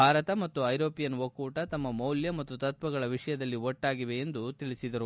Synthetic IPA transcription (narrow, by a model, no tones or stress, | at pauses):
bʱaːɾɐt̪ɐmɐt̪ːuɐjɾo̞ːpijɐnʋɐkuːʈɐt̪ɐmːɐmɐwljɐmɐt̪ːut̪ɐt̪ʋɐɡɐɭɐʋiʂɐjɐd̪ɐlːiɔʈːaːɡiʋe̞ːnd̪ut̪iɭisid̪ɐɾu